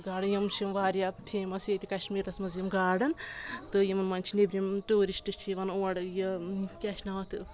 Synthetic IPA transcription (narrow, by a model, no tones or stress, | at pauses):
ɡaːɽɨjɐmt͡ʃʰimʋaːɾʲjaːpʲʰeːmɐsjet̪ʲikɐʃmiːɾt̪ɐsmɐzjimɡaːɽɐnt̪ɨjimɐnmɐnʲt͡ʃʰinebɾʲimʈuːɾisʈɨt͡ʃʰijiʋɐnoːɐɖjɐkʲaʃnaɐt̪ʰɨ